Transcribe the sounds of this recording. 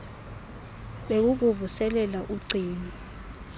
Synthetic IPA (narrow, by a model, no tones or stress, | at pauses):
ɓek̬uk̬uvusɛlɛlaʔuǀʱiːni